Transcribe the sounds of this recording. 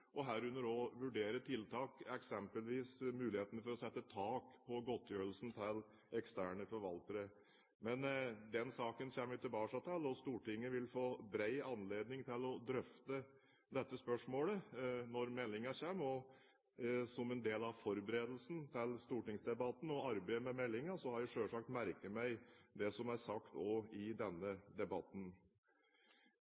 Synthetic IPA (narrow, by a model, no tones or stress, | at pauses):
ʔɔɦæːɾʉnːəɾoʋʉɖeːɾəʈʰɪlt̪ʰɑːkɛksɛmpəlʋiːsmʉːlɪheːt̪ənəfɔɾɔsɛt̪ːət̪ʰɑːkpʰɔɡɔt̪ʰːjøːɾəlsn̩t̪ʰɪl | ɛkst̪ʰæːɳəfɔɾʋɑlt̪əɾə | mɛnd̪ɛnsɑːkənçɛmːəjʉt̪ɪbɑːʂɑt̪ʰɛlɔst̪uːʈɪŋːəʋɪlfoːbɾæɪɑnleːd̪nɪŋt̪ʰɪlɔd̪ɾœft̪ə | d̪ɛt̪ːəspœʂmoːlənɔɾmɛlːɪŋɑçeːmɔ | sɔmɛnd̪eːlɑʋfɔɾbəɾeːd̪əlsn̩t̪ʰɪlst̪uːʈɪŋsd̪ɛbɑt̪n̩ɔɑɾbæɪmɛmɛlːɪŋəsɔhɑɾjæʂøːʂɑk̚t̪mæɾkəmæɪd̪ɛsɔmæɾsɑkt̪ɔɪd̪ɛnːəd̪ɛbɑt̪n̩